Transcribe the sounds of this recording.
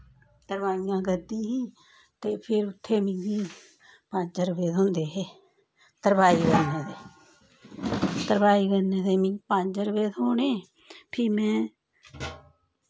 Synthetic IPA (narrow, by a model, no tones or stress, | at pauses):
t̪əɾbaːijãːɡəd̪iːɦĩː | t̪eːpʰɪɾʊt̪ʰːeːmɪ̃ŋɡiː | pəɲd͡ʒəɾəbeːɦõːnd̪eːɦeː | t̪əɾbaːiːɡənẽːd̪eː | t̪əɾbaːiːɡənẽːd̪eːmɪ̃pəɲd͡ʒɾəbeːt̪oːneː | pʰɪmɛ̃ː